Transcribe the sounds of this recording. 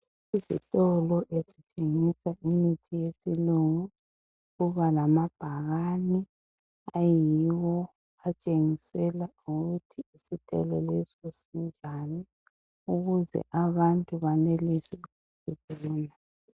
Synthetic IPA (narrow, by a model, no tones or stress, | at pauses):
izḭtʼɔlɔʔezit͡ʃʼeŋisaʔimitʰijesiluŋu | ɣuβalamab̥ʱaɣani | ajiwɔ | at͡ʃʼeŋisɛla | uɣutʰiːsitʼɛ̰lɔlɛsɔsind͡ʒʱani | uɣuzɛ̰ʔaβantʼuβanelisɛ | tɛtʼɛlɛna